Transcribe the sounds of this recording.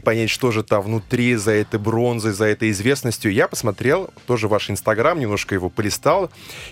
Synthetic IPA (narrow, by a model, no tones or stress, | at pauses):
pɐnʲætʲʂt̪o̞ʐɨt̪avnʊt̪ɾʲizɐɛt̪əjbɾo̞nzɨjzɐɛt̪əjɪzvʲe̞snəsʲtʲjʊjapə̥smɐt̪ɾʲe̞lˠt̪o̞ʐɨvaʂɪnst̪ɐɡɾamnʲɪmnoʂkəjɪvo̞pəlʲɪst̪alˠ